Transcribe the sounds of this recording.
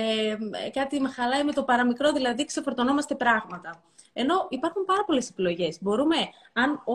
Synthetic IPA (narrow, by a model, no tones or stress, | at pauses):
ekɐt̪imexɐlɐime̞t̪o̞pɐɾɐmikɾo̞ðilɐðikse̞fo̞ɾt̪o̞no̞mɐst̪e̞pɾɐɣmɐt̪ɐ | e̞no̞ʔipɐɾxumpɐɾɐpo̞le̞se̞pilo̞ʝe̞zbo̞ɾume̞ | ɐno